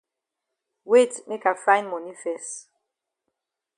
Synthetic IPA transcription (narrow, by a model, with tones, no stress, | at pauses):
we˦tme˦ka˨fã˦ɪ̃nmɔ˨ni˦fɛ˨st